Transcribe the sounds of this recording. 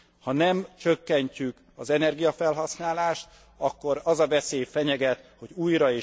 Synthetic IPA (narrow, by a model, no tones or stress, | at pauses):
hɒnɛmt͡ʃøkːɛɲcyk | ɒzɛnɛrɡijɒfɛlɦɒsnaːlaːʃt̪ | ɒkːo̞ɾɒzɒvɛseːjfɛɲɛɡɛt̪ho̞ɟuːjɾɒeː